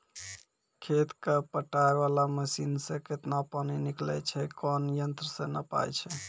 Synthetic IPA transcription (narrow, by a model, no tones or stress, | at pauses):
kʰet̪kepəʈaeβalaməsinsə̃ket̪napəniniklɛ̰t͡ʃʰɛkɔnjənt̪ɾəsə̃nəpa̰jt͡ʃʰɛ